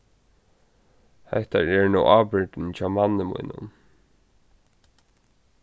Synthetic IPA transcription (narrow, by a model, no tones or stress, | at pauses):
hɛ̰ht̪a̰ɹɛɹnuwʔaːpɪɹt̪ɪnt͡ɕʰaːmanːəmṵjnʊ̰n